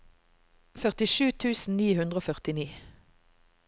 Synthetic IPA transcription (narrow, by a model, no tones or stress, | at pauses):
fœʁt̪ɪʃʉːt̪ʰʉːsn̩niːhʉnd̪ʁoːfœʁt̪ɪniː